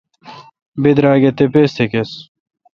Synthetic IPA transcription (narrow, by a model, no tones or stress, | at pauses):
bed̪ɾaːɡet̪epeːst̪ʰekes